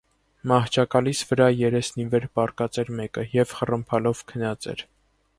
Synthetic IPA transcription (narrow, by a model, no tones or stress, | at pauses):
mɑht͡ʃʰɑkɑlisvəɾɑjɛɾɛsnivɛɾpɑrkɑt͡sɛɾmɛkəjɛvχərəmpʰɑlɔvkʰənɑt͡sɛ̰ɾ